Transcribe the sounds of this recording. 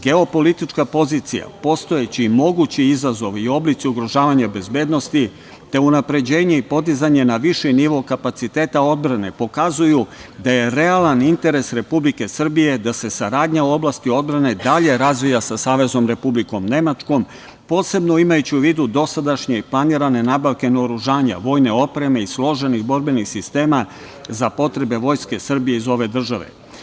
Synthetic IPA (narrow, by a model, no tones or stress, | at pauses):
ɡe̞o̞po̞lit̪it͡ʃkapo̞zit̪sḭja̰po̞st̪o̞jet͡ɕimo̞ɡut͡ɕiizazo̞ʋio̞blit̪siuɡɾo̞ʒaːʋaɲabe̞zbe̞ːd̪no̞st̪i | t̪e̞unapɾe̞d͡ʑe̞ːɲe̞ipo̞d̪izaɲe̞naʋiʃɛniʋo̞kapat̪sit̪eːt̪ao̞d̪bɾane̞po̞kazujud̪aje̞ɾe̞alanint̪e̞ɾe̞sɾe̞publike̞sr̩bije̞d̪ase̞saɾaːd̪ɲauo̞blast̪io̞d̪bɾane̞d̪aʎe̞ɾazʋijasasaːʋe̞zo̞mɾe̞publiko̞mne̞mat͡ʃko̞m | po̞ːse̞bno̞imajut͡ɕiuʋiːd̪ud̪o̞sad̪aʃɲeplˠaniːɾane̞nabaʋke̞nooɾuʒaːɲa̰ʋo̞ːjne̞o̞pɾe̞me̞islˠo̞ʒe̞niɣbo̞ɾbe̞nixsist̪e̞ːma | zapo̞t̪ɾe̞be̞ʋo̞jske̞sr̩bije̞izo̞ʋe̞d̪r̩ʒaʋe̞̰